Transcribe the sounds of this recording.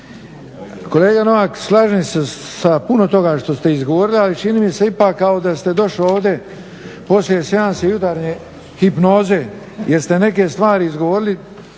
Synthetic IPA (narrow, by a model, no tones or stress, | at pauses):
ko̞leːɡano̞ʋakslˠaʒnisesapuno̞t̪o̞ɡaʃt̪o̞st̪eizɡo̞ʋo̞ɾilialit͡ʃiniːmiseipaːkːao̞d̪ast̪e̞d̪o̞ʃlioːʋd̪ʲe̞ | po̞slijese̞d̪ansejut̪aɾɲe | hipno̞ːze̞ | jʔeɾst̪e̞ne̞ke̞st̪ʋaːɾiizɡo̞ʋo̞ɾili